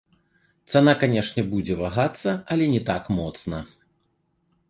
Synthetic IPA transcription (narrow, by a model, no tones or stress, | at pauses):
t̪sanakanʲɛʂnʲɛbud͡zʲɛvaɣat̪sːɐɐlʲɛnʲɛt̪akmɔt̪snɐ